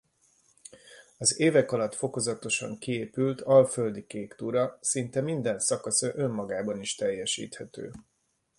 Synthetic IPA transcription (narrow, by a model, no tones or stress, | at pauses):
ɒzeːvɛkɒlɒt̪fo̞ko̞zɒt̪o̞ʃɒ̰ŋkieːpylt̪ʰɒlføld̪ikeːkt̪uɾɒsint̪ɛmind̪ɛnsɒkɒsɒʔø̞mːɒɡaːbɒniʃt̪ɛjːɛʃḭːt̪hɛt̪ø̰ː